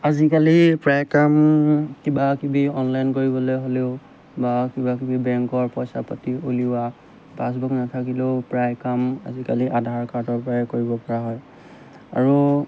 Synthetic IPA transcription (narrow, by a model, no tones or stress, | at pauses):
azikalipɹajkamkibakibiɔnlajnkoɹibɔlojɦoleʊ | bakibakibibɛŋkɔɹpɔjsapatiuliwa | pas̬buknatʰakileʊpɹajkama̰zikaliʔadʱaɹkaɹdɔɹpɔɹajkoɹibɔpɔɹaɦɔj | a̰ɹu